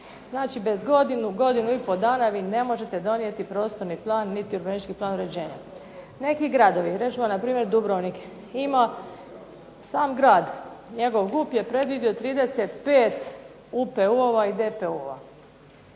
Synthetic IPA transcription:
znaːt͡ʃibe̞zɡo̞d̪inuɡo̞d̪inuipo̞d̪aːnaʋiːne̞mo̞ʒe̞t̪e̞d̪o̞nije̞t̪ipɾo̞ːst̪o̞ɾniplˠaːnːit̪iuɾbenit͡ʃkiplˠaːnuɾe̞d͡ʑe̞ːɲa̰ | ne̞kiɡɾad̪o̞ʋiɾe̞t͡ʃuamnapɾiːmjeɾd̪ubɾoʋnik | ima | saːmɡɾaːd̪ɲe̞ɡo̞ʋɡupje̞pɾe̞d̪ʋid̪io̞t̪ɾiːd̪e̞set̪peːt̪ | upeuoʋaid̪e̞peuoʋa̰

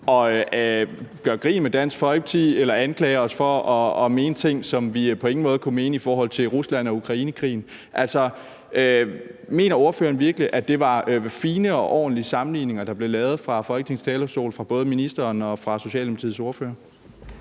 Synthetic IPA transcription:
ɒ̽ | ɡ̥ɶɐɡ̥ʁḭːnmed̥æn̰sɡ̥fɒ̽ɪb̥̚t͡sʰielɐænkʰlɛːɪɐɒ̽sfɒ̽ɒ̽ːme̝ːnət͡sʰe̝ŋ̰sɒ̽mʋipʰɒ̽e̝ŋn̩mɔ̽ːð̞̩ˠkʰume̝ːnəifɒːɦɒ̽l̰t͡sʰe̝lʁuslæn̰ɒ̽ukʰʁɑ̈iːnəkʰʁḭːn̩ | ʔælsɒ̽ | øme̝̰ːnɐo̝ɐføːɐnʋiɐɡ̥əliʔæd̥e̝ʋɑ̈øfiːnəɒ̽ʔɒ̰ːn̩liəsɑ̈mn̩lḭːne̝ŋɐd̥ɑ̈b̥le̝lɛːʊð̞̩ˠfʁɑ̈fɒ̽lɡ̥ənʰe̝ŋst͡sʰɛːlɒso̝̰ːlfʁɑ̈b̥ɔ̽ːð̞̩ˠminisd̥ɐːnɒ̽fʁɑ̈so̝ɕɛ̰ldemʰpʰɐt͡sʰið̩̰ˠso̝ɐfø̰ːɐ

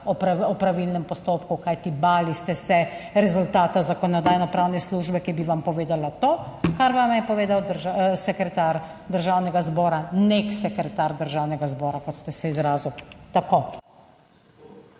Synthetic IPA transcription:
ɔpɾaɔpɾaʋilnɛmpɔst̪oːpkukajt̪ibaːlist̪ɛsɛɾɛzult̪aːt̪azakɔnɔd̪aːjnɔpɾawnɛsluːʒbɛkibiʋampɔʋeːd̪alat̪oːkaɾʋamjɛpɔʋeːd̪awd̪əɾʒasɛkɾɛt̪aːɾ | d̪əɾʒaːwnɛɡazbɔːɾaneksɛkɾɛt̪aɾd̪əɾʒaːwnɛɡazbɔːɾakɔt̪st̪ɛsɛizɾaːziwt̪akoː

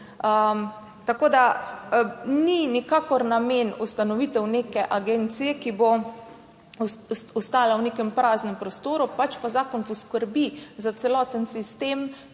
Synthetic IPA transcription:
ə | t̪akoːd̪a | ninikaːkɔɾnameːnust̪anɔʋit̪ɛwneːkɛʔaɡeːnt̪sijɛkibo | ɔst̪aːlawnekɛmpɾaːznɛmpɾɔst̪oːɾupat͡ʃpazaːkɔnpɔskəɾbizat̪sɛlɔːt̪ənsist̪em

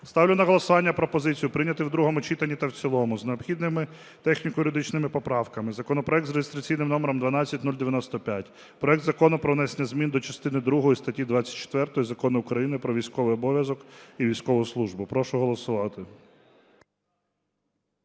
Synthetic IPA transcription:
st̪ɑwlʲʊnɐɦɔlˠɔsʊʋɑnʲːɐpɾɔpɔzɪt͡sʲijʊpɾɪnʲɐt̪ɪwd̪ɾuɦɔmʊt͡ʃit̪ɐnʲːit̪ɐwt͡sʲilˠɔmʊzneɔpxʲid̪nɪmɪ | t̪ɛxnʲikʊjʊɾʲɪd̪ɪt͡ʃnɪmɪpɔpɾɑwkɐmɪzɐkɔnɔpɾɔɛk̚t̪zɾejɪst̪ɾɐt͡sʲijnɪmnɔmeɾɔmd̪ʋɐnɑt͡sʲːɐtʲnulʲd̪eʋʲjɐnɔst̪ɔpʲjatʲ | pɾɔɛk̚d̪zɐkɔnʊpɾɔʋnɛsenʲːɐzmʲind̪ɔt͡ʃɐst̪ɪnɪd̪ɾuɦɔjist̪ɐtʲːid̪ʋɑt͡sʲːɐ̥t̚ʲt͡ʃe̥t̪ʋɛrt̪ɔjizɐkɔnɪʊkɾɐjinɪpɾɔʋʲijsʲkɔʋɪjɔbɔʋʲjɐzɔkiʋʲijsʲkɔʋʊslˠuʒbʊpɾɔʃʊɦɔlˠɔsʊʋɑt̪ɪ

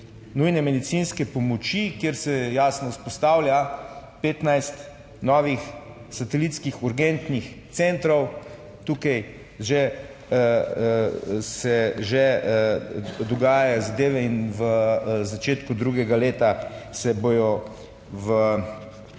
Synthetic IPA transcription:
nujnɛmɛd̪it̪sinskɛpɔmɔt͡ʃikjeɾsɛjaːsnɔspɔst̪aːwlʲjapeːt̪najst̪ | nɔːʋix | sat̪ɛlit̪skixuɾɡɛnt̪nixt̪sent̪ɾɔw | t̪uːkaj | ʒe | sɛʒe | d̪ɔɡaːjazad̪eːʋɛinʋəzat͡ʃeːt̪kud̪ɾuɡɛɡaleːt̪asɛboːjɔ | ʋə

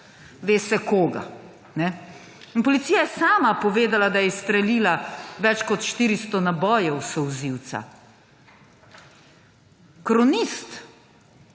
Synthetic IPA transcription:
ʋeːsɛkoːɡa̰ | nɛ | inpɔlit̪siːjajɛsaːmapɔʋeːd̪alad̪ajɛst̪ɾɛliːlaʋɛt͡ʃkɔt̪ʃt̪iːɾist̪ɔnabɔːjɛwsɔwziwt̪sa̰ | kɾɔnist̪

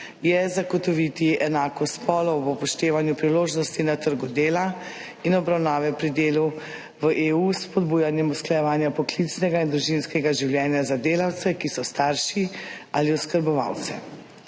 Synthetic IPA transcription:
jɛzaɡɔt̪ɔʋit̪iɛnaːkɔspɔːlɔbɔpɔʃt̪eːʋanjupɾiloːʒnɔst̪inat̪əɾɡud̪eːla | inɔbɾawnaːʋɛpɾid̪eːlu | ʋəʔeːuspɔd̪buːjanjɛmusklajɛʋaːnjapɔklit̪snɛɡaind̪ɾuʒinskɛɡaʒiwljɛːnjazad̪eːlawt̪sɛkisɔst̪aɾʃi | aliɔskəɾbɔʋa̰wt̪sɛ̰

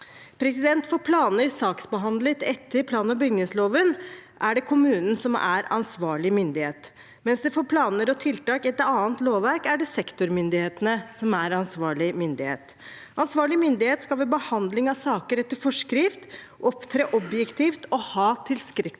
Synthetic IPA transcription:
pʰɾɛsɪd̪ɛnt̪fɔɾpʰlɑːnəɪsɑːksbəɦɑnd̪lət̪ɛt̪ʰːəɾpʰlɑːnəbʏɡnəsloːʋənʔæɖɛkʰʊmʉːnən̩sɔmæ̰ɾɑ̰nsʋɑːɭɪmʏnd̪ɪheːt̪ | mɛnsd̪ɛfoːɾpʰlɑːnəɾɔt̪ʰɪlt̪ɑːkɪɛt̪ɑːənt̪loːʋʋæɾkæɖɛsɛkt̪ʊɾmʏnd̪ɪheːt̪ənəsɔmæɾɑnsʋɑːɭɪmʏnd̪ɪhḛːt̪ | ʔɑnsʋɑːɭɪmʏnd̪ɪheːt̪skɑlʋɛːbəhɑnd̪lɪŋɑʋsɑːkəɾɛt̪ːəɾfɔʂkɾɪft̪ | ʔɔpt̪ʰɾeːʔɔbjɛkt̪ʰiːft̪ɔhɑːt̪ʰɪlskɾɪ

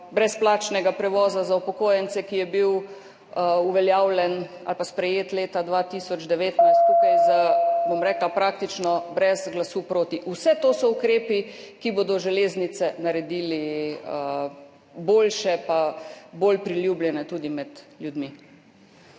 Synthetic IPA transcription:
bɾɛsplaːt͡ʃnɛɡapɾɛʋɔːzazaupɔkoːjɛnt̪sɛkijɛbiw | uʋɛljaːwlʲɛn | a̰lpaspɾɛjeːt̪leːt̪ad̪ʋat̪iːsɔd͡ʒd̪ɛʋeːt̪najst̪kupajzabomɾɛːklapɾaːkt̪it͡ʃnɔbɾɛzɡlasupɾoːt̪iʔusɛt̪oːsɔukɾeːpikibod̪ɔʒɛleːznit̪sɛnaɾɛd̪iːliə | boːlʃɛpaboːlpɾiljuːbljɛnɛt̪uːd̪imɛd̪ljud̪mi

